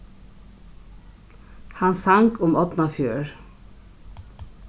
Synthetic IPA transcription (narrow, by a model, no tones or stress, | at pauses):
hɑnsɑŋkʰʊmɔt̪n̩ɑfjuːɹ